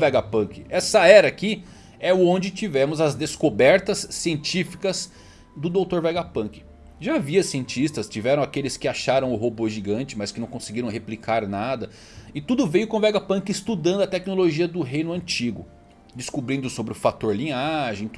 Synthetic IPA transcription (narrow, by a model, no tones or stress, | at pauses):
vɛɡapɐ̃kɪɛsɐɛɾɐkɪ | ɛõnd͡ʒɪt͡ʃivɛ̃mʊzɐzd̪eskobɛɾt̪ɐsːiẽnt͡ʃifi̥kɐz | d̪ʊd̪owt̪oɾvɛɡapɐ̃kɪ̥ | ʒaːviɐsiẽnt͡ʃist̪ɐst͡ʃivɛɾɐ̃w̃akelɪskɪaʃaɾɐ̃w̃ʊɦoboʒiɡɐ̃nt͡ʃɪmɐskɪnɐ̃w̃kõsɪɡiɾɐ̃w̃ɦeplikʰaɾnad̪ɐ | ɪt̪ud̪ʊvejʊkõvɛɡapɐ̃kɪɪst̪ud̪ɐ̃d̪ʊɐt̪ɛknoloʒiɐd̪ʊɦejnʊɐ̃t͡ʃiɡʊ | d͡ʒɪskubɾĩnd̪ʊsobɾɪʊfat̪oɾlĩaʒẽj̃